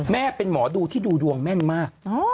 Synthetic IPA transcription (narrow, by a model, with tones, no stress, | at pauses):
mɛː˥˩pe˧nmɔː˩˦duː˧t̪ʰiː˥˩duː˧du˧əŋmɛ˥˩nmaː˥˩k̚ː